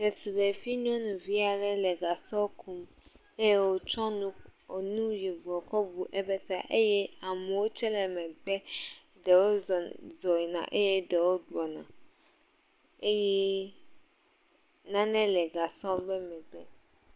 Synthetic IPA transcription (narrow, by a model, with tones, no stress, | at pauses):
dɛ˨tu˨be˨fi˦nũ˦ɔ̃˦nũ˨vi˦a˨lɛ˦lɛ˨ɡa˨sɔ˦kʰu˦m | e˦je˦wo˦t͡ʃɔ˦nũ˦o˨nũ˦ji˨bu˨ɔ˨kɔ˦bu˨ʔɛ˦bɛ˦t̪a̰˦˨ʔe˦jɛ˦a˨mɛ˨wo˦t͡ʃɛ˦lɛ˨mɛ̃˨ɡ͡bɛ˦ | ɖɛ˨wo˦˨zɔ˨i˨nã̰˨ʔe˦je˦dɛ˨wo˦dɔ˨nã̰˨ | e˦jɛ˦ | nã˦nɛ̃˦lɛ˨ɡa˨sɔ˦bɛ˦mɛ̃˨ɡ͡bɛ˦